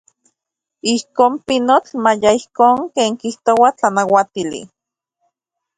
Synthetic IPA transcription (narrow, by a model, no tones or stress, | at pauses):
ihkoːmpinot͡ɬmajaihkoːŋkeːŋkiht̪owat͡ɬanawat̪ilḭ